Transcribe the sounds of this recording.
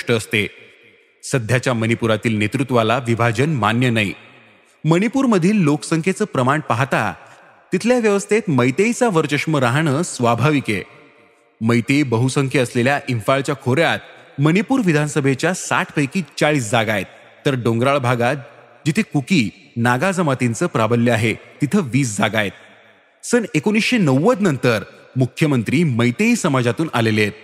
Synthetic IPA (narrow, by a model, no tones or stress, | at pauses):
ʂʈəːst̪e | səd̪ʱjat͡ɕjamənipuɾat̪iːlnet̪ɾut̪ʋalaʋibʱad͡ʑənmanjənaj̰ | məñipuːɾməd̪ʱiːlːoksəŋkʰet͡səːpɾəmaɳpaɦt̪a̰ | t̪it̪ʰljaʋjəʋəst̪ʰet̪məjt̪ejt͡saʋəɾt͡ɕəkʂməɾaɦɳəːsʋabʱaʋikḛ | məjt̪ejbəɦusəŋkʰjeəsleljaʔiɱfaɭt͡ɕjakʰoɾjat̪̚mənipuːɾʋid̪ʱansəbʱet͡ɕjasa̰ʈʰpəjkiːt͡saɭiːsd͡zaɡajet̪̚ː | əɾɖõŋɡɾaɭbʱaɡat̪̚ | d͡ʑit̪ʰekukiː | naɡad͡zəmat̪int͡səːpɾabəlːjəaɦet̪it̪ʰəʋiːsd͡zaɡajet̪̚ | sənekonisɕenəwːəd̪nənt̪əɾ | mukʰjəmənt̪ɾiːməjt̪eisəmad͡zat̪uːnʔalelet̪̚